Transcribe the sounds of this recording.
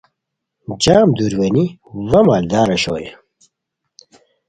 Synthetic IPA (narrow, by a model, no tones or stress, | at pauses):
d͡ʑaːmd̪uɾwɐniwɐmaːld̪aːɾɐɕo̰ːje